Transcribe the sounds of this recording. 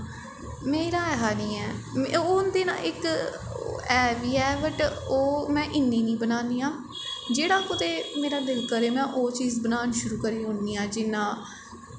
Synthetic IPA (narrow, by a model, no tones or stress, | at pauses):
meːɾaːɛɦaːnĩːɛːmʊnd̪eːnã̰ːʔɪk | ɛːʋiːɛːbəʈoːmɛ̃ːʔɪnːĩːnĩːbənaːniːãː | d͡ʒeːɽaːkʊt̪eːmeːɾaːd̪ɪlkəɾeːmɛ̃ːʔoːt͡ʃiːzbənaːnʃʊɾuːkəɾiːɦʊ̃nd̪iːãːd͡ʒɪnːãː